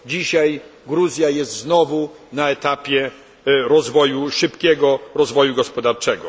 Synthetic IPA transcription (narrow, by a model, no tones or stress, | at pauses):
d͡ʑiɕajɡɾuzʲjajɛst̪znɔvu | naɛt̪apʲjɛ | ɾɔzvɔjuʂɘpkʲɛɡɔɾɔzvɔjuɡɔspɔd̪aɾt͡ʂɛɡɔ